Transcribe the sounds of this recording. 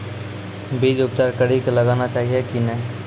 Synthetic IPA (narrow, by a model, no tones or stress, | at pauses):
biːd͡ʒʊp̚t͡ʃaːɾkəɽikelɐɡaːnat͡ʃaːɦiekinɛ̃